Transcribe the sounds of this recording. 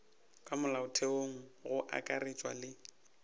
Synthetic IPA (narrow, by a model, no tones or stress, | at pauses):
kʼamʊlaʊtʰeoŋ̩ɣʊʔa̰kʼaret͡ʃʼwa̰lɪ